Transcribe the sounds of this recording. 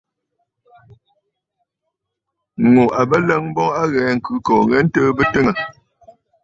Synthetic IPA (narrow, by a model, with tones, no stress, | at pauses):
ŋo˨ʔa˨bə˦lə˦ŋ˦bɔ˦a˦ɣɛː˨˦ŋ̩˨kʉ˨˦kɔː˨ŋɛ˦n̩˦təː˦bə˦tə˦ŋə˨